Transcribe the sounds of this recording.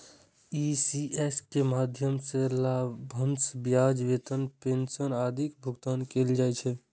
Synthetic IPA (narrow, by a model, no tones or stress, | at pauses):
isieskemad̪ʱjəmselabʱənsbjad͡ʒʋet̪ənpensənaːd̪ʱikbʱuɡt̪aːnkeld͡ʒajt͡ʃʰɛ